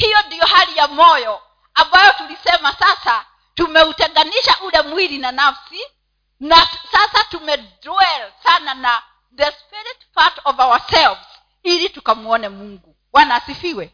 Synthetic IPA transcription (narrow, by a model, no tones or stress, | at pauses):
hijɔndijɔhalijamɔjɔ | ambajɔtulisɛmasasa | tumɛutɛŋɡaniʃaʔulɛmwiɾinanafsi | nasasatumɛdɾuɛlsanana | ðɛspiɾitpatɔvawasɛlvz̥ | ilitukamuɔnɛmuŋɡu | wanaːsifiwɛ